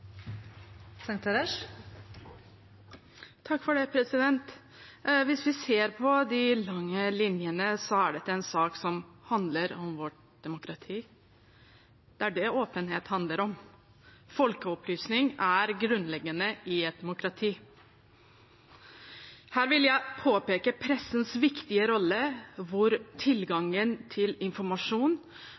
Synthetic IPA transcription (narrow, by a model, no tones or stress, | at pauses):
sɑŋt̪ʰɛɾɛʂ | t̪ʰɑkːfɔɖɛpʰɾɛsɪd̪ɛnt̪ | ʋɪsʋɪseːɾpʰɔd̪ɪlɑŋːəlɪnjənəsɔæɖɛt̪ːəɛnsɑːksɔmhɑnd̪ləɾɔmʋɔʈ̚ | d̪̥ɛmʊkɾɑt̪ʰiː | d̪̥æɖɛoːpənɦeːt̪hɑnd̪ləɾɔm | fɔlkəɔplyːsnɪŋæɾɡɾʉnlɛɡːənəɪɛt̪̚d̪ɛmʊkɾɑt̪ʰiː | hæːɾʋɪljæɪpʰoːpeːkəpʰɾɛsːənsʋɪkt̪ɪəɾɔlːəʋʊɾt̪ʰɪlɡɑŋːənt̪ʰɪlɪnfɔɾmɑʂuːn